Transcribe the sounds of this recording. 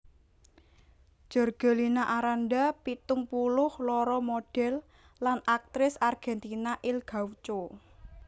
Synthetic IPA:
d͡ʒ̥ɔ̤rɡ̥ɔ̤linaʔaɾanɖapit̪ʊŋpulʊhlɔɾɔmoɖ̥ɛ̤lː | anak̚t̪ɾɪsarɡ̥ɛnt̪inaʔɪlɡ̥a̤wt͡ʃo

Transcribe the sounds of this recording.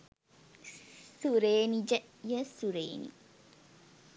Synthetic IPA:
suɾeːnid͡ʒəjəsuɾeːnḭ

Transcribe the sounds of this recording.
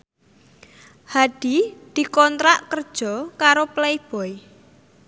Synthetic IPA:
had̪̥i̤d̪̥i̤kɔnt̪ɾaʔkərd̥ʒ̥ɔ̤kaɾopleɪb̥ɔ̤j

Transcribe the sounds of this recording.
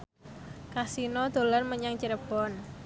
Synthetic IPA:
kasinɔd̪̥o̤larməɲaŋt͡ʃəɾəb̥ɔn

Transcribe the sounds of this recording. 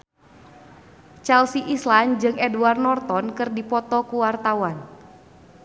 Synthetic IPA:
t͡ʃɛlsiʔisland͡ʒɨŋʔɛduarnɔrt̪ɔnkərdipɔt̪ɔkuwart̪awan

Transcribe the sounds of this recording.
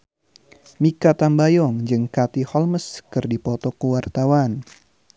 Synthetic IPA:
mikat̪ambajɔŋd͡ʒɨŋkat̪ihɔlməskɨrdipɔt̪ɔkəwart̪awan

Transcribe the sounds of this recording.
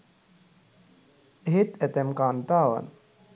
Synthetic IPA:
ɦit̪ɛt̪emkaːnt̪aːʋɐ̰n

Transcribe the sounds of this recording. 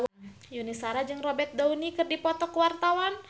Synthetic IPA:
junisaɾad͡ʒɨŋrɔbɛrt̪̚daunikɨrdipɔt̪ɔkwart̪awan

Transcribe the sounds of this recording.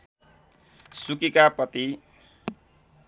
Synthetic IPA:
sukikapʌt̪i

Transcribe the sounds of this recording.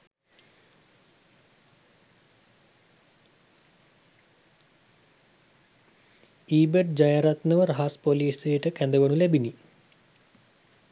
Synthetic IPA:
iːbəʈ̚d͡ʑajaɾat̪nəʋəɾaɦaspoliːsejəʈəkænd̪əʋənulæbini

